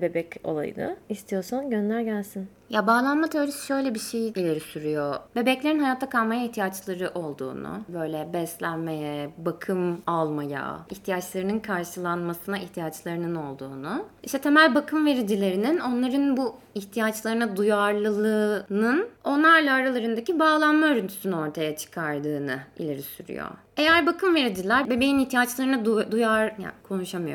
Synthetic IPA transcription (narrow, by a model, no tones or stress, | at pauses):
be̞bɛco̞̰lˠa̰jɯ̰nɯ̰ist̪ʰijo̞sanɟønlʲæɾɟælʲsin | jabaːlˠanmat̪ʰeoɾisi̥ʃø̞jlʲɛbiʃejilʲeɾisyɾyjobe̞bɛclʲe̞ɾinɦajaːt̪ʰːakʰalˠmajaiçht̪ʰijat͡ʃlˠaɾɯʔo̞lˠd̪ṵːnṵbø̞jlʲɛbɛst̪lʲænmejɛbakʰɯmalˠmaja̰içt̪ʰijat͡ʃlˠaɾɯnɯnkʰaɾʃɯlˠanmasɯnaʔiçt̪ʰijat͡ʃlˠaɾɯnɯno̞lˠd̪uːnuiʃt̪ʰɛt̪ʰe̞mælʲbakʰɯmve̞ɾid͡ʒilʲe̞ɾinino̞nlˠaɾɯnbu | içt̪ʰijat͡ʃlˠaɾɯnad̪ujaɾlˠɯlˠɯːnɯno̞nlˠaɾlˠaːɾalˠaɾɯnd̪acibaːlˠanmaøɾynt̪ʰy̥synyno̞ɾt̪ʰajat͡ʃʰɯ̥kʰaɾd̪ɯːnɯḭlʲe̞ɾisyɾy̰jo̰ | e̞jæɾbakʰɯmve̞ɾid͡ʒilʲæɾbe̞be̞jiniçt̪ʰijat͡ʃlˠaɾɯnaud̪ujaɾja̰kʰo̞nuʃamɯjo̰